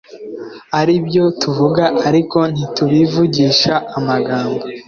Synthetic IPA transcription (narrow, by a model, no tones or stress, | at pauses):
aɾibjo̞tuvuɡaʔaɾiko̞n̥ituβivuɟiːʃaːmaɡaːmbo